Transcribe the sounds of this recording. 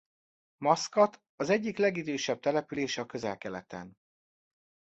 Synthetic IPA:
mɒskɒt̪ | ɒzɛɟːiklɛɡid̪øːʃɛb̚t̪ɛlɛpyleːʃɛɒkø̞zɛlkɛlɛ̰t̪ɛ̰n

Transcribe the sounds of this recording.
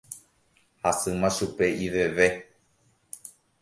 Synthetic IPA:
hasɨmãʃupe̞iʋeʋe̞

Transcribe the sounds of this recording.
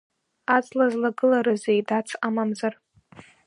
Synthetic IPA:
at͡slazlaɡɨlaɾazejdat͡sʰamamzar

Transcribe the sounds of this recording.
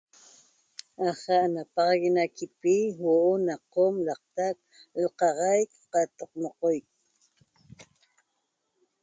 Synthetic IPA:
aχɑʔnapɑʁɑɣinakipiwoʔonaqomlɑq̚t̪ak̪ | oqɑʁɑjkqɑt̪ʼoqmoqojk̚

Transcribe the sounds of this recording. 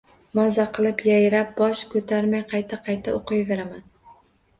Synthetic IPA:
mɒzaqʰɨlˠɪpjajɾap̚bɒʃkʰɵt̪ʰaɾmajqʰɑjt̪ʰaqʰɑjt̪ʰaoqʰɨjve̞ɾaman

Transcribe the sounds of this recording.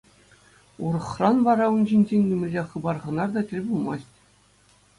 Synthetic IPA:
uɾɤ̆χrɑnʋɑɾɑunʑinʲd͡ʑenʲnʲymʲɘ̆lʲeχɯ̆bɑrʁɤ̆nɑrd̪ɑtʲɘ̆lʲbulˠmɑsʲtʲ

